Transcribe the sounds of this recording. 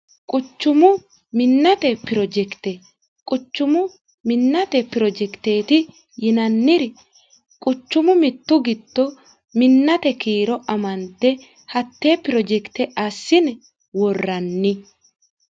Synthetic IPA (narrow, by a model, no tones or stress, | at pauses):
kʼʊt͡ʃːʊmʊ | mɪnːɐt̪ɛpːɪɾɔd͡ʒɛkt̪e | kʼʊt͡ʃːʊmʊ | mɪnːɐt̪ɛpɪɾɔd͡ʒɛkt̪e̞ːt̪ɪ | jɪnɐnːɪɾɛ | kʼʊt͡ʃːʊmʊmɪt̪ːʊɡɪd̪ːɔ | mɪnːɐt̪ɛkiːɾɔʔɐmɐnt̪ːɛ | hɐt̪ːeːpɪɾɔd͡ʒɛkt̪ɛʔɐsːɪnɛ | wɔrːɐnːɪ